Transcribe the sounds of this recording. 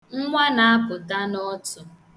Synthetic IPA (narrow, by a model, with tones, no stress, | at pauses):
ŋ̩˦ŋʷa˦na˨a˦kʊ˨ta˦nɔ˦tʊ˨